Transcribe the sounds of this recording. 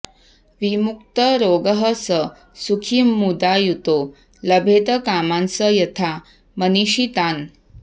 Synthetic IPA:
ʋimuk̚t̪əɾoɡəɦəsə | sukʰimːud̪ajut̪o | ləbʱet̪əkamansəjɐt̪ʰa | məniɕit̪an

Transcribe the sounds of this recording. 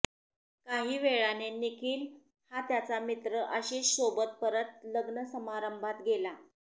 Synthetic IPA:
kaɦiːʋeɭanenikiːl | hat̪jat͡samit̪ɾəʔəɕiɕobət̪̚pəɾət̪̚ləɡnəsəmaɾəmbʱat̪ɡela

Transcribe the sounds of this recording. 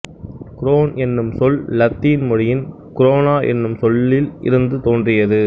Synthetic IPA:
kʊɾoːnɛnːɯmsɔllɐt̪ːiːnmʊɻɪjɪn | kʊɾoːnaːʔɛ̰nːɯmsɔlːɪlʔɪ̰ɾɯnd̪ɯt̪oːndrɪjɐðɯ

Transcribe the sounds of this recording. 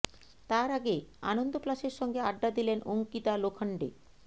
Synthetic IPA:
t̪aɾaɡea̰nond̪oplaʃeɾʃɔŋɡeaɖːad̪ilenʔoŋkit̪alokʰaɳɖḛ

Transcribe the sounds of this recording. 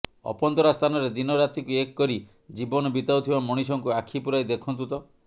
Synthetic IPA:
ɔ̰pɔnt̪ɔɾast̪ʰanɔɾed̪inɔɾat̪ikuekkɔɾi | d͡ʒibɔnɔbit̪awt̪ʰibamɔɽ̃isɔŋkuakʰipuɾajd̪ekʰɔnt̪ut̪ɔ

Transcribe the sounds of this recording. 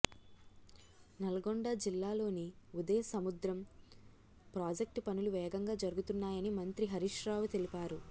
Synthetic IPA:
nɐlɐɡoɳɖɐd͡ʒilːaːlo̞ːniud̪ɐjɐsɐmud̪ɾɐm | pɾaːd͡ʒek̚ʈpɐnuluʋɛːɡɐŋɡaːd͡ʒɐɾuɡut̪unːaːjɐnimɐnt̪ɾiɦɐɾiʂɾaːʋut̪e̞lipaːɾu

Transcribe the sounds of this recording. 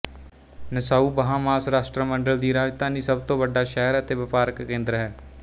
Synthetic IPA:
nəsaːuːbəɦãːmaːsɾaːʃʈɾəməɳɖəld̪iːɾaːd͡ʒt̪ãːniːsəb̚t̪õːʋəɖaːʃɛːəɾət̪eːʋɪpaːɾəkːẽːnd̪ɾɦɛː

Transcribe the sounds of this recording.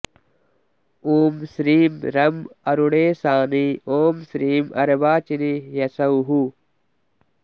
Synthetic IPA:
oːmsɾiːmɾɐmɐɾuɽeːsaːnioːmsɾiːmɐ̰ɾɐbaːt͡ʃinijɐsɐuɦu

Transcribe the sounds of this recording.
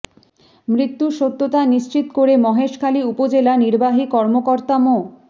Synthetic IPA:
mɾit̪ːuʃot̪ːot̪aniʃt͡ɕit̪koɾemɔɦeʃkʰaliupod͡ʑelaniɾbaɦikɔɾmokoɾt̪amo

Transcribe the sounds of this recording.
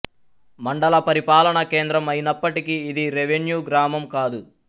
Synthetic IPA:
mɐɳɖɐlɐpɐɾipaːlɐɳɐkeːnd̪ɾɐmɐjinɐpːɐʈikiːd̪iɾeʋenjuːɡɾaːmɐmkaːd̪u

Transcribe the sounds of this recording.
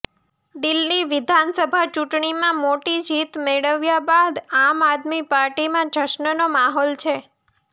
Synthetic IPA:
d̪ɪlːiʋɪd̪ʱansəbʱat͡ʃuʈɳimãmoʈid͡ʒit̪meɭəʋjabad̪amad̪mipaɾʈimãd͡ʒəʃnənomaɦɔlt͡ʃʰe

